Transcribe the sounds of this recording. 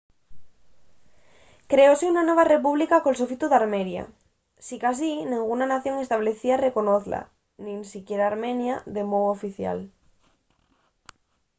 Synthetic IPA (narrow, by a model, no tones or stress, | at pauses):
kɾeoseunanoβ̞arep̬uβ̞likakolsofit̪uðaɾmenja̰ | sikas̬inĩŋɡunanaθjoŋest̪aβleθiarekonoθla̰ | nĩnsikjeɾaːɾmẽnjaðemowofiθja̰l